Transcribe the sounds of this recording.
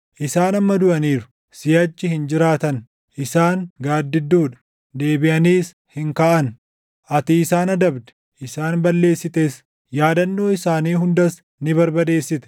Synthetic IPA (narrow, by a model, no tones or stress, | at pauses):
ʔɪsaːnɐmːɐd̪ʊʔɐniːɾʊ̥ | sɪjɐt͡ʃːɪhɪnd͡ʒɪɾaːt̪ɐn | ʔɪsaːŋɡaːd̪ːɪd̪ːuːᶑɐ̥ | d̪e̞ːbɪʔɐniːs | hɪŋkaːʔɐn | ʔɐt̪iːsaːnɐd̪ɐbd̪ɛ̥ | ʔɪsaːnbɐlːe̞ːsːɪt̪eːs | jaːd̪ɐnːo̞ːɪsaːniːɦʊnd̪ɐs | nɪbɐɾbɐd̪e̞ːsːɪt̪ɛ̥